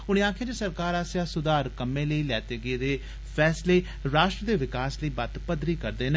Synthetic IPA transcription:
ʊɽ̃ẽːaːkʰjãːd͡ʒeːsəɾkaːɾaːsjãːsʊd̪aːɾkəmẽːləiːlɛːt̪eːɡeːd̪eː | pʰɛːsleː | ɾaːʃʈɾəd̪eːʋɪkaːsləiːbət̪pəd̪ɾiːkəɾd̪eːn

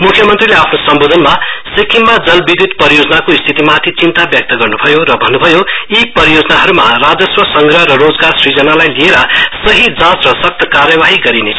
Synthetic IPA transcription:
mukʰjʌmʌnt̪rileapʰnosʌmbod̪ʱʌnmasikʰimːad͡zʌlbid̪ʱit̪pʌɾijod͡zʌnakoist̪ʰit̪imat̪ʰit͡sint̪abjʌk̚t̪ʌɡʌrnubʱʌjoɾʌbʱʌnːubʱʌjoipʌɾijod͡zʌnaɦʌɾumarad͡zʌswʌsʌŋɡɾʌɦrʌrod͡zɡarsrid͡zʌnalajlieɾʌsʌɦid͡zãt͡srʌsʌk̚t̪ʌkarjʌbaɦiɡʌɾinet͡sʰʌ

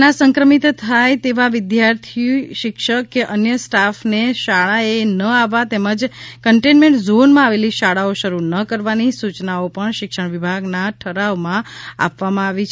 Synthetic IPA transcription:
nasəŋkɾəmit̪t̪ʰajt̪eʋaʋɪd̪jaɾt̪ʰiuʃɪkʃəkːeʔənjəsʈafneʃaɭaenəaʋat̪eməd͡ʒkəɳʈenmeɳʈzonmãaʋeliʃaɭaoʃəɾunəkəɾʋanisut͡ʃnaopəɳʃɪkʃəɳ̃ʋibʱaɡnaʈʰəɾaʋmãa̰pʋamãaʋit͡ʃʰ

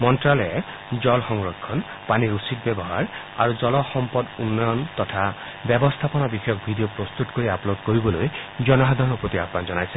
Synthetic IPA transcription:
mɔnʈɾale | d͡ʒɔlxɔŋɹɔkʰːɔn | paniɾusit̪̚bebɔɦaɹ | aɾud͡ʒɔlɔxɔmpɔd̪unːɔjɔnt̪ɔt̪ʰa | bjɛbɔst̪ʰapɔnabixɔjɔk̚bʱidiopɾɔst̪ut̪koɾiaplod̪koɾibɔlojd͡ʒɔnɔɦad̪ʱɔnɔpot̪iapmand͡ʒɔnajsʰe

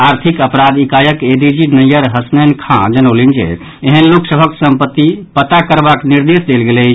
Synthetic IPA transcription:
aɾt̪ʰikəpɾad̪ikajəked̪id͡ʒinəjəɾɦəsnənkʰãd͡ʒənolind͡ʒḛ | eɦənloksəbʱəksəmpət̪ːipət̪akəɾbakniɾd̪esd̪elɡelɛ

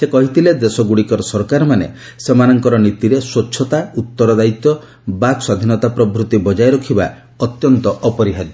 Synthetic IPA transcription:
sekɔɦit̪ʰiled̪esɔɡuɽikɔɾɔsɔɾkaɾɔmanḛ | semanɔŋkɔɾɔnit̪iɾeswotːʃʰɔt̪aut̪ːɔɾɔd̪ait̪ːɔ | bakswad̪ʱinɔt̪apɾɔbɾut̪ːibɔd͡ʒajɾɔkʰiba | ɔt̪jɔnt̪ɔʔɔpɔɾiɦad

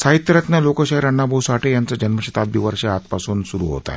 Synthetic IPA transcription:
saɦit̪jəɾət̪nalokəɕaiɾaɳːabʱəusaʈʰiːjant͡sad͡ʑənməɕit̪at̪̚biʋəɾɕəat̪pasuːnsuɾṵɦo̰t̪a̰

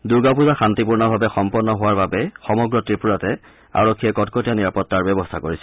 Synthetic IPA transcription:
duɹɡapuzaxantipuɹnabʱabɛxɔmpɔnːɔɦʊwaɹbabɛxɔmɔɡɹɔtɹipuɹatɛ | a̰ɹɔkʰːiɛkɔtkɔtijaniɹapɔtːaɹbɔbɔstʰakoɹisɛ

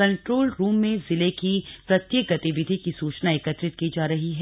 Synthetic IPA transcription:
ɐ̃ɳʈɾoːlɾuːmːẽzɪlekipɾɐt̪jek̚ɡɐt̪iʋɪd̪ʱikisuːt͡ʃnaekət̪ɾɪt̪̚kid͡ʒaːɾɐɦiɦɛ

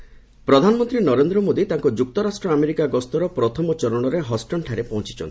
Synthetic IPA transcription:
pɾɔd̪ʱanɔmɔnt̪ɾinɔɾend̪ɾɔmod̪it̪aŋkɔd͡ʒuk̚t̪ɔɾasʈɾɔameɾikaɡɔst̪ɔɾɔpɾɔt̪ʰɔmɔt͡ʃɔɾɔɽ̃ɔɾeɦɔsʈɔɳʈʰaɾepɔɦɔ̃t͡ʃi̥t͡ʃɔ̰nʰi

